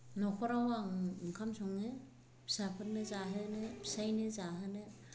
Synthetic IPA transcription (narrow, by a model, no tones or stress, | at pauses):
nɔkʰɔɾawaŋkʰamsɔŋnɯ | pʰi̥sapʰɯɾ̚nɯzaɦɯnɯpʰi̥sajnɯzaɦɯnɯ